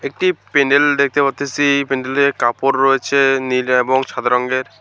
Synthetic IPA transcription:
ek̚ʈipeɳɖeld̪ek̚ʰt̪epaɾt̪ʰːesipeɳɖelekapoɾːojet͡ɕʰenileboŋʃad̪ʱaɾɔŋɡeɾ

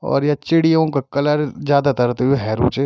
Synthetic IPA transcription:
ɔ̰ːɾjat͡ʃɪɽijõkakɐlaɾzjaːd̪at̪ɐɾt̪eɦueɦɛːɾṵːt͡ʃe

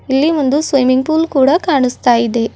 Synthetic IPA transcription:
ɪlːiʋɐnd̪ɯsʋɐjmɪŋɡ̚puːlkuːɽɐkaːɳɯst̪aːjðeː

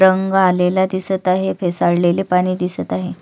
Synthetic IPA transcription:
ɾəŋɡalelad̪isət̪aɦefesaɽleliːpaɽ̃iːd̪isət̪aɦe

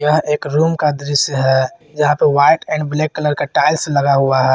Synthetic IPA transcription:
jəɦeːkɾuːmkad̪ɾɪsjəɦɛː | jɐɦãpəʋaːɪʈɛ̃ːɳɖbleːkːələɾkaʈaːɪlselɐɡaɦuaɦɛ

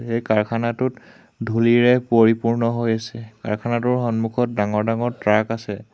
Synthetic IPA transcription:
ejkaɹkʰanatʊt | dʱuliɹɛpoɹipuɹnɔɦojasɛka̰ɹkʰanatʊɹxɔnmukʰɔt̚daŋɔɹdaŋɔɹtɹakasɛ

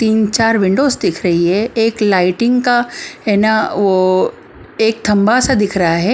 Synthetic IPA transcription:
t̪iːnt͡ʃaːɾʋɪ̃ɳɖoːsd̪ɪkʰɾɐɦiɦɛeːklaːɪʈɪ̃ŋɡkaɛːnaʋo | eːk̚t̪ʰɐ̃mbasad̪ɪkʰɾɐɦaɦɛː

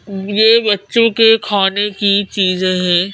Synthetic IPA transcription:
jeːbɐtːʃõkekʰaːnekit͡ʃiːzẽɦɛ̃ː

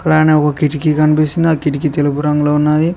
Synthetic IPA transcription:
kɐlaːneːɔkɐkiʈikikɐnipisind̪iaːkiʈ̬ik̬it̪elupuɾɐŋɡuloːunːaːd̪i

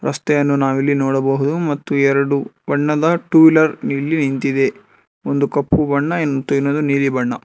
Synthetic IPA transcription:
ɾʔɐst̪ɛjɐnːunaːʋilːinɔːɽɐbɐɦud̪umɐt̪ːuɛɾɐɽubɐɳːɐd̪ɐʈuːilɐɾniːlːinint̪id̪e̞ | ond̪ukɐpːubɐɳːɐenːot̪ːuinːoːd̪uniːlibɐɳːɐ

